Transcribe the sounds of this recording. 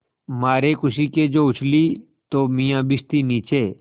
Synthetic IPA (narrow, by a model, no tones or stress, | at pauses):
maːɾeːkʊsiːkeːd͡ʒoːʊt͡ʃliː | t̪oːmɪjãːbɪst̪iːniːt͡ʃeː